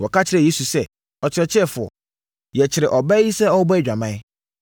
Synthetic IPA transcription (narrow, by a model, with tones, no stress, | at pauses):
wɔ˨ka˦t͡ɕʰɪ˦ɾɛ˨je˦su˨sɛ˦ | ɔ˨t͡ɕʰɪ˨ɾɛ˨t͡ɕʰɪ˦ɛ˦˨fʊ˨ɔ̰˨ | jɛ˨t͡ɕʰɪ˨ɾɪ˨ʔɔ˨bɛ˦i˦sɛ˦ɔ˦bɔ˦d͡ʑᶣa˨mã˦ɪ˦